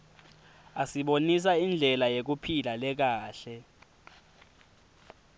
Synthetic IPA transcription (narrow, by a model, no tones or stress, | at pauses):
asiɓonis̬aind͡ɮʱɛlajek̬upʰilalɛk̬aːɬɛ